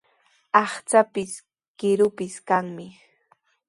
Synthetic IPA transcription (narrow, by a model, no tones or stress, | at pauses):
ɑχt͡sapɪs | kɪɾʊpɪskaŋmɪ